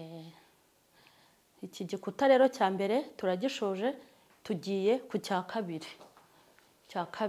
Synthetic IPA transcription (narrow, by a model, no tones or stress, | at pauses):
iciɟikutaɾe̞ːɾo̞caːmbe̞ɾe̞tuɾaɟiʃoːʒe̞ | tuɟiːje̞kucaːkʰaβiɾi | caːkʰa